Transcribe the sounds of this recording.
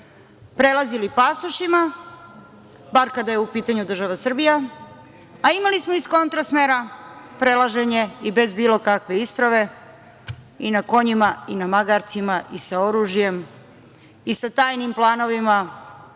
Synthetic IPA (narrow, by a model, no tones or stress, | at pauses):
pɾe̞lˠazilipasuʃima | baɾkad̪ajeupiːt̪aɲud̪r̩ʒaʋasr̩bija | aimalismo̞isko̞nt̪ɾasmeːɾapɾe̞laʒe̞ɲe̞ibe̞zbiːlˠo̞kakʋe̞ispɾaʋe̞ | inako̞ɲimainamaɡaɾt̪simaʔisao̞ɾuːʒije̞m | isat̪aːjnimplˠaːno̞ʋima